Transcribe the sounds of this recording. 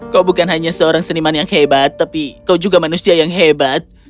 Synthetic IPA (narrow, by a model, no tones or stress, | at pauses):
kawbukanɦaɲasəoɾaŋsənimanjaŋhebat̪ːapikawd͡ʒuɡamanusiajaŋɦebat̪̚